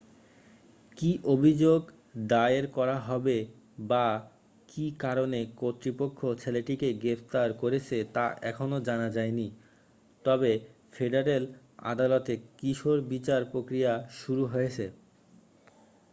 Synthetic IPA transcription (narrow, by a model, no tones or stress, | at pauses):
kiʔobʱid͡ʑoɡ | ɖajeɾkɔɾaɦɔbe | ba | kikaɾonekot̪ːɾipokʰːot͡ɕʰeleʈikeɡɾept̪aɾkoɾet͡ɕʰet̪aʔɛkʰonod͡ʑanad͡ʑaeni | t̪ɔbe | feɖaɾel | a̰d̪alot̪ekiʃoɾbit͡ɕaɾpɾokɾijaʃuɾuɦojet͡ɕʰe